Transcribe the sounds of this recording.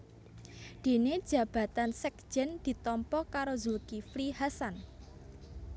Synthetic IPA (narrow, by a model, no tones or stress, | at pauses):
d̪̥e̤ned̥ʒ̥ä̤b̥ä̤t̪ansɛk̚d̥d͡ʒ̥ɛnd̪̥i̤t̪ɔmpɔkaɾozulkiflihasan